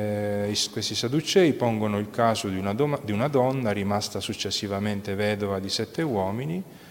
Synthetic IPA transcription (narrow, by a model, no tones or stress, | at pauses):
iskwest̪isad̪ut͡ʃːɛːipɔŋɡonoilkaːzod̪unaad̪iunad̪ɔnːaɾimast̪asut͡ʃːesːivament̪evɛːd̪ovad̪isɛt̪ːewɔːmini